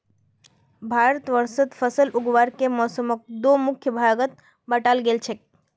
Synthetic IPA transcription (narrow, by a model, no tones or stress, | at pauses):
bʱaːɾət̪ʋəɾsəd̪fʰəsəlʊɡʋaːɾkemɔːsəmək̚d̪oːmʊkʰjəbʱaɡət̪̚ | bəʈaːlɡelt͡ʃʰek̚